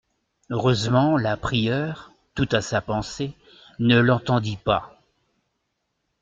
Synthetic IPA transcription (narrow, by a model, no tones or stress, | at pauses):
øʁøzmɑ̃lapχijœːʁ | t̪ut̪asapɑ̃se | nəlɑ̃t̪ɑ̃d̪ipa̰